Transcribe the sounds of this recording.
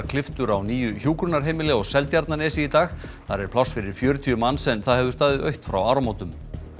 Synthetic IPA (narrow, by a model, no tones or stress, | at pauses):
ɾkʰlɪft̪ʏɾawniːjʏçuːkɾʏnaɾ̥ɦeːjmɪlɛɔɣsɛlt̪jaɾt̪nanɛːsiit̪aːx | θaɾɛɾpʰlawsfɪɾɪɾ̥fjœːɾʏt̪ʰiːʏmanːsɛmθaðhɛvðʏ̥st̪aːðɪœɥht̪fɾa̰waːɾamoːwt̪ʏm